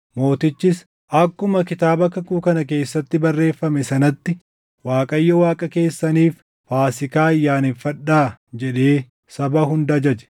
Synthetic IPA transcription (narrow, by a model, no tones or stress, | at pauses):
mo̞ːt̪ɪt͡ʃːɪs | ʔɐkːʊmɐkɪt̪aːbɐkːɐkuːkɐnɐk̬e̞ːsːɐt̪ːɪbɐrːe̞ːfːɐmɛsɐnɐt̪ːɪ | waːkʼɐjːɔwaːkʼɐke̞ːsːɐniːf | faːsɪkaːɐjːaːnɪfɐᶑaːd͡ʒɛᶑe̞ː | sɐbɐhʊnd̪ɐd͡ʒɐd͡ʒɛ̥